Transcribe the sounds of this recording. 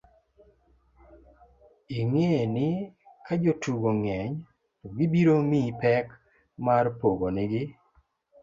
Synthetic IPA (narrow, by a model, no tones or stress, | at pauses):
iŋenɪ | kad͡ʒotuɡoŋɛɲ | toɡɪbiɾomipɛk | marpoɡonɪɡɪ